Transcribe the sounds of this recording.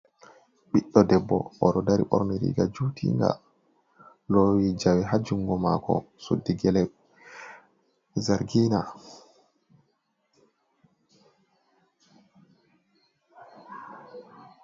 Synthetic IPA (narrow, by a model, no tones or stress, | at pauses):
ɓiɗːɔdɛbːɔ̰ʔɔɗɔdaɾḭɓɔ̰ɾniɾḭɡad͡ʒuːtʰḭŋɡa̰ | lowid͡ʒawɛɦad͡ʒuŋɡɔmakɔ̰ | sodːiɡɛlɛ | zaɾɡina